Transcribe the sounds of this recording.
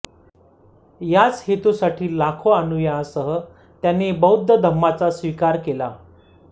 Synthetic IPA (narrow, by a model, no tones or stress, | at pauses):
jat͡shet̪usaʈiːlakʰoanujãsəɦə | t̪janebəwd̪ʱːəd̪ʱəmːat͡sasʋikaɾkela